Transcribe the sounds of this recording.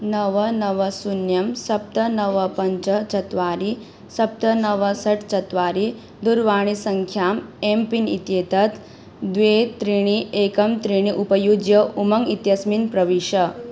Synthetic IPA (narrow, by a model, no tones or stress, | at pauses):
nɐʋənɐʋəsunjɐmsɐp̚t̪ɐnɐʋəpɐɲt͡ʃət͡ʃɐt̪ʋaːɾi | sɐp̚t̪ɐnɐʋəsɐʈʰt͡ʃɐt̪ʋaːɾi | d̪uɾʋaːɽ̃isɐŋkʰjaːmempinḭt̪jeːt̪ɐt̪ | d̪ʋet̪ɾiɽ̃iʔekɐmt̪ɾiɽ̃iʔupɐjud͡ʒjəumɐŋit̪jɐsminpɾɐʋiʃɐ